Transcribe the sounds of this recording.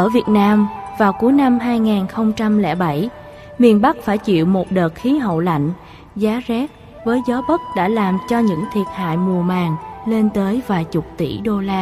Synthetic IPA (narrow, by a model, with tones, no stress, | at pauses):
ʔəː˧˩vi˨˩ət̚naː˧mvaː˨˩wku˨˦jna˧mɦaː˧jŋaː˨˩nxə˧wŋ͡mt͡ɕa˧mlɛ̰˧˥ɓa˧˩j | mi˨˩ənɓa˦˥k̚faː˧˩jt͡ɕḭ˧˨əwmo˨˩t̚ɗəː˨˩t̚xi˨˦ɦə̰˧˨wla̰˧˨jŋ̟ | zaː˨˦zɛ˦˥t̚ | vəː˨˦jzɔ˨˦ɓə˦˥t̚ɗa̰ː˧˥laː˨˩mt͡ɕɔ˧ɲɨ̰˧˥ŋt̪ʰi˨˩ət̚ha̰ː˧˨jmu˨˩əmaː˨˩ŋle˧nt̪əː˨˦jvaː˨˩jt͡ɕʊ˨˩k͡p̚t̪ḭ˧˩ɗo˧laː˧